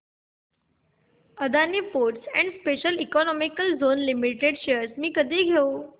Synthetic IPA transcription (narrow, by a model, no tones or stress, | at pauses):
əd̪aniːfoɾʈsɛ̰̃ɳɖspeɕəlikɔnɔmikəld͡zonlimiʈeɽɕeəɾsmiːkəd̪ʱiːɡʱeu